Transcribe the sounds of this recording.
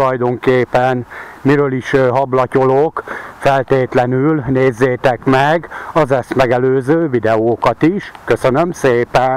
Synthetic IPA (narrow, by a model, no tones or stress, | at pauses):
ulɒjd̪o̞ŋkeːpɛnmiɾøːliʃɦɒblɒco̞lokfɛlt̪eːt̪lɛnylneːzːeːt̪ɛkmɛɡɒzɛst̪mɛɡɛløːzøːvid̪ɛoːkɒt̪iʃkø̞sønø̞mseːpɛn